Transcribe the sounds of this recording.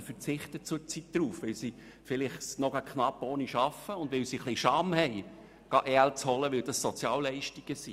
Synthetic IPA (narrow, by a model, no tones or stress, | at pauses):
fəɾt͡sɪχtət͡sʊt͡sit̚d̪̥ɾuːfʋɪlsi | fɪlɪχsnɔɡɑkʰχnɑpːoːniʃɑfəʊndvʋɪlsiχliʃɑmhɛɪ | ɡ̥ɑʔɛlt͡shɔləʋɪld̥ɑssɔt͡sjɑːlːɛɪʃtiɡ̥əsi